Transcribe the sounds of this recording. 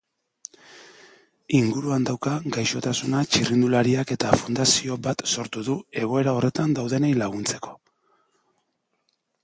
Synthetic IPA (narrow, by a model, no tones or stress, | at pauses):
iŋɡuɾuand̪awkaɡajʃo̞t̪asunat͡ʃirind̪ulaɾiake̞t̪afund̪asio̞bat̪so̞ɾt̪uðue̞ɣ̞o̞e̞ɾao̞re̞t̪and̪awðe̞nejlaɣ̞unt͡se̞̥ko̞̥